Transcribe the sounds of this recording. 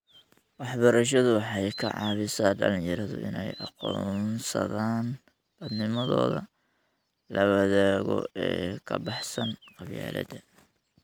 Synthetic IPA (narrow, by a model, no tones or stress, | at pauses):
wɑħbɐɾɐʃ̬ɐðʊwɑħɑjkʰɐʕɑ̰ːβɪsaːɖɐljɐɾɐðʊ̰ʔɪnɛjʔɑqɔːnsɐ̰ðaːn | b̥ɐd̪nɪmɐðɔːðɐ | lɐβɐðaːɣɔ̰ɛːkʰɐbɑħsɐnqɑβja̰ːlɐ̰d̪ɐ